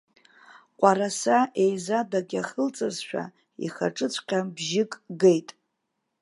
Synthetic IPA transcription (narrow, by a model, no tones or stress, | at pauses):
qʷʼaɾasaʔe̞jzadaɡʲaχəlt͡sʼɨzʃᶣa̰ | ḭχa̰ʈ͡ʂʼɨt͡sʷʰqʲʼabʒɪkʼɡejtʼ